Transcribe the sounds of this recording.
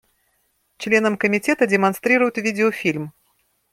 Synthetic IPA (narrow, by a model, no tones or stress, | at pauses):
t͡ʃlʲɛnɐmkɐmʲit͡sʲɛt̪ɐdʲɛmanst̪ɾɨɾɐjut͡sʲvʲid̪ʲɛɔfʲilʲm